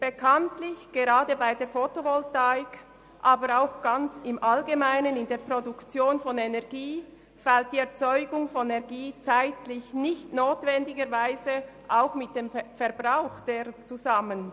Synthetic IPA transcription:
b̥ekʰantlɪçɡ̥eʁaːdəbaɪdeːfotovɔltaɪk | ʔaːbəɾaʊxɡ̥ant͡sɪmʔalɡemaɪnənɪndeːɐpʁodukt͡sjoːnfɔnɛnɛʁɡiː | falt̚d̥iːɛɐt͡sɔʏɡʊŋfɔnɛɐɡiːt͡saɪtlɪçnɪçtnoːtv̥ɛndɪɡəɾvaɪzə | ʔaʊxmɪt̚d̥eːmfɛɐbʁaʊxd̥eːt͡suzamən

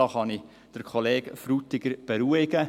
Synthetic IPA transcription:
ɑχɑni | d̥əɾkʰχoleːɡ̥fɾut̪ɪɡəɾb̥eɾuəɪɡ̥ə

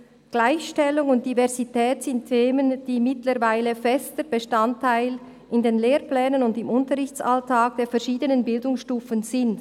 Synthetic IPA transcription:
ɡ̥laɪçʃtɛlʊŋʊnt̚d̥ivɛɐzitɛːtsɪntʰːeːmənd̥iːmɪtləɾvaɪləfɛstəbəʃtantʰːaɪl | ʔɪndeːnleːɾplɛːnənʊndɪmʊntəʁɾɪçtt͡saltʰaːk̚d̥eːɐfɛɐʃiːdənənbɪldʊŋsʃtuːfənzɪnd

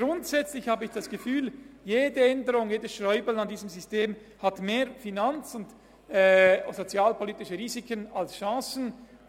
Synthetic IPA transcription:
ɡ̥ɾʊntsɛt͡slɪçhaːbəɪçd̥asɡ̥əfyːljeːdəɛndəʁʊŋjeːdəsʃʁɔʏbəl̩andiːzəmzʏsteːmhatmeːɾfinant͡sʊnd | ɛzot͡sjaːlpʰoliːtɪʃəʁiːzikənalsʃɑ̃ːsn̩

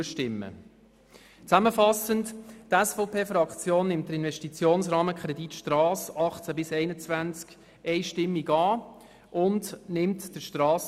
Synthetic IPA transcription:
əʃtɪmːə̰ | t͡sæməfɑsənttɛsfɔʊpʰeːfɾɑkt͡sjoːnːɪmt̚dəɾɪnvɛʃtit͡sjoːnsʁɾɑːməkʰɾɛditʃtrɑːsɑχt͡sæbɪsɛɪnət͡svænt͡sk | ɛɪʃtɪmːiɡɑː | ʔʊndnɪmtd̥əʃtrɑːs

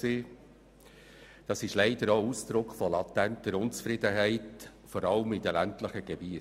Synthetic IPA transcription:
seː | d̥ɑsɪʃlɛɪd̥əɾoːusd̪̥ɾʊkχfɔlɑtːæntəɾʊnt͡sfɾɪdəɦæɪt | fɔɾɑlmid̥əlæntləχəɡ̥eb̥iə

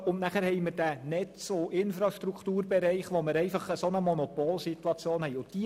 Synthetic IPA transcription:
ʊnnæχæɾɦɛjməɾd̥ænɛt͡soʔɪnfɾɑʃtɾukχtuːɾbɛɾɛɪχʋoməɾɛɪfɑχəsonəmɔnopoːlsit̪uɑt͡sjoːnhɛɪjʊntd̥i

